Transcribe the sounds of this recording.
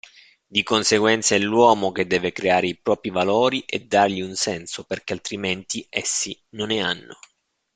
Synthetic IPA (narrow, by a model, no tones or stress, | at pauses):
d̪ikonseɡwɛnt̪saɛlːwɔːmoked̪ːɛːvekɾeaːɾeipɾɔːpɾivalɔːɾiʔed̪ːarʎiunsɛnsoperkealt̪ɾiment̪iɛsːinonɛanːo̰